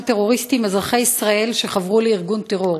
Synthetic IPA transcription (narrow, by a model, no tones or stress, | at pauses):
t̪e̞ʁo̞ʁist̪imazʁaχaisʁae̞lʃeχavʁuleiʁɡunt̪e̞ʁo̞ʁ